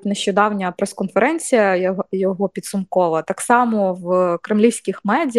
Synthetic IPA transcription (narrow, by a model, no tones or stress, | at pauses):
neʃʲt͡ʃɔd̪ɑwnʲɐpɾɛskɔnfeɾʔɛnʲt͡sʲijɐjɔɦɔpʲid̪sʊmkɔʋɐt̪ɑksɑmɔwkɾɪmlʲiwsʲkʲixmɛdʲ